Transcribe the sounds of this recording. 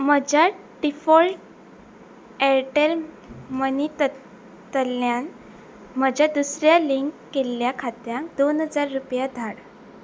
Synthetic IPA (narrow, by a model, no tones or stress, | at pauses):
məd͡ʑʱa | ɖifɔlʈ | ɛɾʈel | mənit̪ | t̪əljan | məd͡ʑʱjad̪usɾjaliŋkːelːjakʰat̪jãŋkd̪onɦəd͡zaɾːupjad̪ʱaɽ